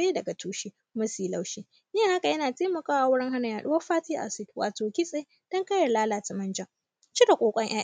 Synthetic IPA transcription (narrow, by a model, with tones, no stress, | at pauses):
eː˦dɐ˨ɡa˨tʰuː˦ʃiː˦ | mɐ˦siː˨la˦wʃiː˦ | neː˦ha˦ka˨jɐ˦naː˨teː˦mɐ˨kaː˦wa˨wʊ˦ɽɪ˦ŋɦa˦na˨jaː˨ɗʊ˦wɐ˦ɸaː˦tiː˦ʔa̰˨sɪ˨dwa̰ː˨toː˨kʲɪ˦sʼe˦j | d̥ɐ˦ŋkɐ˦jɐ˨rlaː˦laː˨tɐ˨mɐ˦nd͡ʒɐ˦˨ | t͡ʃi˦da˨kʷʼoː˨kʷʼɐ˦ɲʔaː˦